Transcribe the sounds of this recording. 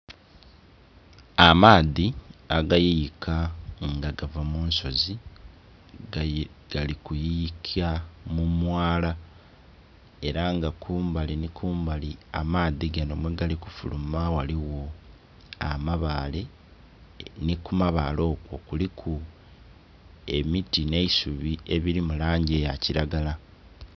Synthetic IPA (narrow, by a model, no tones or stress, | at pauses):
amaːðiaɡajijikaŋɡaɡavamuːnso̞zi | ɡ̥alikujijikʰiamumwaːla | e̞ɾaŋɡakʰuːmbalinikʰuːmbalia̰maːðiɡenomweɡaliku̥fṵlumawaliwo̞ | amaβaːle̞ | nikumaβalo̞ːkwo̞kulikʰu | e̞mitine̞isuβie̞βiɾimulaːɲɟe̞ːjaciɾaɡala